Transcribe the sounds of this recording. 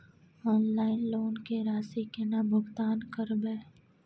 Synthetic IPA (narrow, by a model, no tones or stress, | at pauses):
ɔːnlaːɪnloːnkeɾaːsikenabʱʊɡt̪aːnkəɾbeː